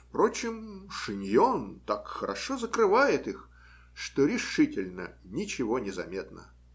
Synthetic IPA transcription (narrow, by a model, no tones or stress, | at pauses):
fpɾot͡ɕɪmʂɨnʲjont̪akxəɾʔɐʂozəkɾɨvajɪt̪ɨx | ʂt̪oɾʲɪʂɨtʲɪlʲnə̰nʲɪt͡ɕɪvonʲɪzɐmʲet̪nə̰